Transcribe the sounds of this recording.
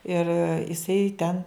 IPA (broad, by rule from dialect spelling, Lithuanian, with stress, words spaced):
ɪr ɪˈsɐɪ tʲɛn